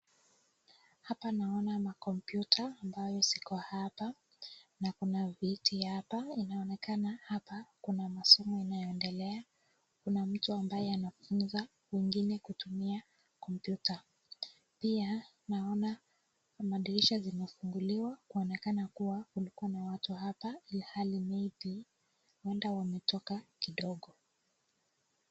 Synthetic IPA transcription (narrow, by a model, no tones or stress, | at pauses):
hapanaɔnamakɔmpjutʰaːmbajɔsi̥kɔhapa | nakunavitʰihapainaɔnɛkanahapakunamasɔmɔinajɔɛndɛlɛa | kunam̩tuambajɛanafunza | wiŋɡinɛkutumia | kɔmpjuta | pia | naɔna | maɗiliʃazimɛfuŋɡuliwakuɔnɛkanakuwakulikuwanawatuhapailihalimɛvi | wɛndawamɛtɔkakiɗɔɠɔ